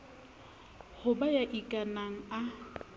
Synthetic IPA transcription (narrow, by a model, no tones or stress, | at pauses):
hʊbajaʔikʼanaŋ̩a